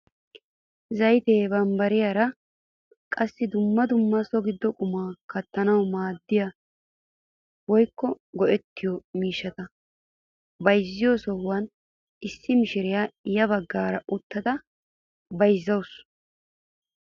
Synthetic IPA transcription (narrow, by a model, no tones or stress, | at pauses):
zɐjt̪e̞ːbɐmbɐɾɪjaɾɐ | kʼɐsːɪd̪ʊmːɐd̪ʊmːɐsɔɡɪd̪ːɔkʼʊmaːkɐt̪ːɐnɐwmaːd̪ːɪjɐ | wɔjkːɔ | ɡɔʔɛt̪ːɪjɔmiːʃɐt̪ɐ | bɐjzːɪjosɔwːɐn | ʔɪsːɪmɪʃɪɾɪjajɐbɐɡːaːɾɐʔʊt̪ːɐt̪ɐ | bɐjzːɐws